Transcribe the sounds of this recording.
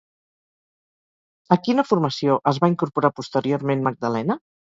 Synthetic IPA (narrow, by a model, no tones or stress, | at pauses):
əkinəfuɾməsioʔəzβaiŋkuɾpuɾapust̪əɾioɾmenməɡ̚d̪əlɛnə